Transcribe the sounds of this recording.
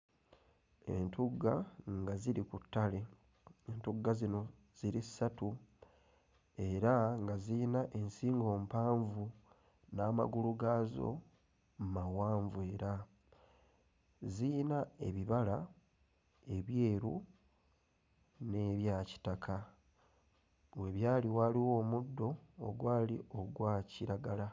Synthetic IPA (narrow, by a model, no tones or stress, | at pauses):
e̞̰ntuɡːaŋɡaziɾikutːale̞ | entuɡːazino̞ | z̥iɾisːatu | e̞ɾaŋɡaziːnaʔe̞nsiːŋɡo̞ːmpaːɱvu | naːma̰ɡuluɡaːzo̞̰ | mmawaːɱvue̞ːɾa | ziːnae̞̰βiβala | e̞βje̞ːɾu | ne̞βjaːci̥takʰa | we̞βjaːliwaːliwo̞ːmudːo̞̰ːɡwaːlḭʔo̞ɡwaːciɾaɡala